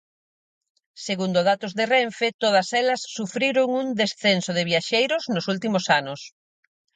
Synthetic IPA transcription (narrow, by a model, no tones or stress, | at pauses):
seɣund̪oðat̪ʊzðerɛɱfet̪oð̞ɐsɛlɐsːufɾiɾoŋund̪esθensoðɪβiaʃejɾʊznosult̪imʊsanʊs